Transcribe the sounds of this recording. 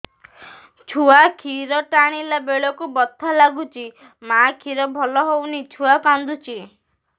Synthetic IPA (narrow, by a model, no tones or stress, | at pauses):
t͡ʃʰuakʰiɾɔʈaɽ̃ilabeɭɔkubɔt̪ʰːɔlaɡut͡ʃʰi | makʰiɾɔbʱɔlɔɦownit͡ʃʰuakand̪ut͡ʃʰi